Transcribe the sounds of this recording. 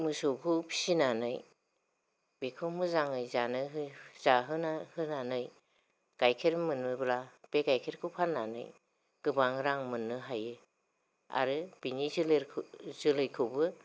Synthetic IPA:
mɯsokʰɯpʰi̥sinanɯj | bekʰɯmɯzaŋɯjzanɯɦɯz̥aɦɯnahɯnanɯj | kajkʰeɾmɯnːɯblab̥ekajkʰeɾkʰɯwpʰanːanɯ̰j | ɡ̥ɯbaŋɾaŋmɯnːɯɦajɯ | a̰ɾɯb̥inizleɾʰzɯlɯjkʰɯwbɯ

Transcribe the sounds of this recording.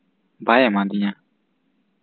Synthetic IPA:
bajɛmãd̪iɲã

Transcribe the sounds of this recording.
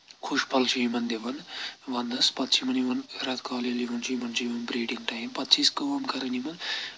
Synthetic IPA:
kʰuʂpɐlt͡ʃʰiimɐnd̪eʋɐnʋɐnd̪ɐspɐt̪t͡ʃʰimɐniʋɐnɾɐt̪ʰkaːleliʋɐnt͡ʃʰimɐnt͡ʃʰiiʋɐnbɾeːʈiŋʈɐːjimpɐt̪t͡ʃʰiskɐʋɐmkɐɾɐnimɐn

